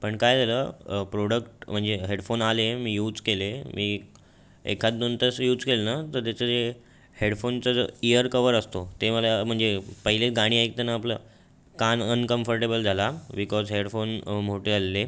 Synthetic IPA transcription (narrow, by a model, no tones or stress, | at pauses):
pəɳkajd͡zʱaləːpɾoɽəkʈm̤əɳd͡zeɦeɽfonalemiːjuːd͡zkelemiː | ḛkʰat̪d̪ont̪əsjuːd͡zkelnat̪əɾt̪at͡səe | heɽfont͡səd͡zəijəɾkəʋəɾəst̪ot̪eməlam̤əɳd͡zepəɦilet͡sɡaɽ̃iːajk̚t̪anəːplə̰ | kanənkəmfəɾʈebəld͡zʱalabikɔzɦeɽfonmoʈealːe